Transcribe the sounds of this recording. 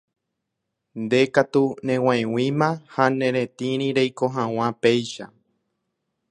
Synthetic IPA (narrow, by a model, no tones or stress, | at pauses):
nd̪e̞kat̪unẽ̞w̃ãẽwĩmãhanẽ̞ɾẽt̪ĩɾ̃ĩɾejkoɦãw̃ãpejʃa̰